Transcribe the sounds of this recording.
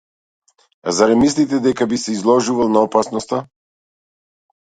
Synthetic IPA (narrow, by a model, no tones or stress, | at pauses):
azaɾɛmislit̪ɛd̪ɛkabisɛizlˠɔʒuvalˠnaɔpasnɔst̪a